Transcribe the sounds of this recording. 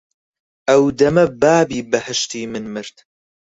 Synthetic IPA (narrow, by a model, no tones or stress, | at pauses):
ʔɐwd̪ɐmɐbaːbiːbɐhɐʃt̪iːmɨnmɨɾt̪